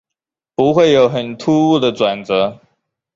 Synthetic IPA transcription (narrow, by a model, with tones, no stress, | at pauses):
pu˧˥xwe˥˨ɪjo˨˦ʊxə˨˩nt̪ʰu˥u˥˩d̪ə˨t͡swa˨˩nt͡sə˧˦